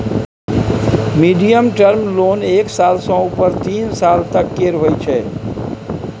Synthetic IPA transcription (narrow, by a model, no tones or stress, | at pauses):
miɖijəmʈəɾmloneksalsə̃upəɾt̪insalt̪əkːeɾɦojt͡ʃʰɛ